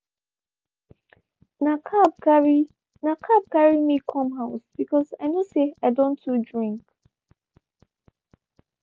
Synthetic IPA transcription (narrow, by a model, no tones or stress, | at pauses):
nakʰab̚kai | nakʰab̚kaɹimikʰɔ̃mɦaʊsb̥ikɔzaɪnoseaɪdõntudɹĩŋk